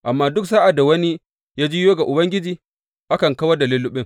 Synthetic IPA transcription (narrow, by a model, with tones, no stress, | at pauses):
ʔa˨mːaː˦dʊ˦ksaː˦ʔa˨da˨wɐ˦ni˦ | jaː˦d͡ʒiː˦joː˦ɡa˨ʔʊ˨bɐ˦ŋɡʲɪ˦d͡ʒiː˨ | ʔa˦kɐ˨ŋka˦wɐ˦da˨li˦lʊ˦ɓɪ˦ŋ